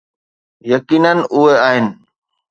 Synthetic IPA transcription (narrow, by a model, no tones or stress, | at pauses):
jəkiːnənʊɦeaːɦɪnɪ̆